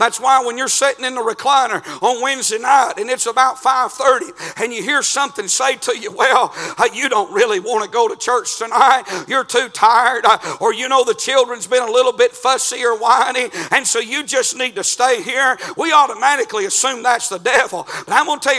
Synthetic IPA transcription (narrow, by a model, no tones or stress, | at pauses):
ðætswaɪwə̃njə˞sɪɾɪ̃ŋɨ̃nðəɹɨkʰl̥ãɪ̃nə˞ə̃nwɛ̃nzdeɪnaɪɾɨ̃nɨtsəbaʊtfaɪv̥θɜ˞ɾiɨ̃njɨɦiɹsʌ̃mθɪ̃ŋseɪɾɨjɨwɛlˠjɨɾõʊ̃nt̚ɹɪlˠiwɑ̃ñɨɡoʊɾɨt͡ʃʰɜ˞t͡ʃtʰɨnaɪt̚jə˞tʰʉtʰaɪə˞ɾə˞jɨnoʊðɨt͡ʃʰɪlˠdɹɨ̃nzbɨ̃nəlɪɾl̩ˠbɪtfʌsiə˞wãɪ̃niɨ̃nsoʊjɨd͡ʒʌsnid̚tɨsteɪɦiɹwiɔɾəmæɾɨkliɨsʉ̃mðætsðədɛvl̩ˠb̥ʌɾãɪwõntʰɛ